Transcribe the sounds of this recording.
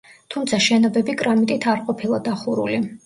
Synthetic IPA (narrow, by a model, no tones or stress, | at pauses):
t̪ʰumt̪sʰaʃɛnɔbɛbikʼɾamit̪ʼit̪ʰaɾqʼɔpʰilˠɔd̪aχuɾṵli